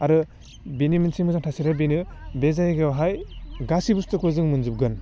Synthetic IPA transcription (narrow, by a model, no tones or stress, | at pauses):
aɾɯ | benimɯnsimɯzaŋtʰasiɾabenɯbezajɡewɦajɡasibustɯkʰɯzɯŋmɯnzup̚ɡɯn